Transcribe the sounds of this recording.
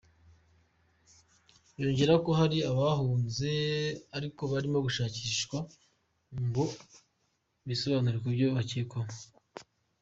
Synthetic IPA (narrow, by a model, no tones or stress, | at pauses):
joːɲɟe̞ɾako̞ɦaɾiaβaɦuːnze̞aɾiko̞βaɾimo̞ɡuʃaːciʃkwa | mbu | βiso̞βaːnuɾekubjo̞βacikoma